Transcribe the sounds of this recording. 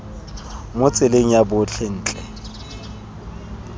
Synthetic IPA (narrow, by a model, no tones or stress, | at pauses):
mʊt͡sʼɪleŋ̩jabʊt͡ɬʰɛn̩ːt͡ɬʼɛ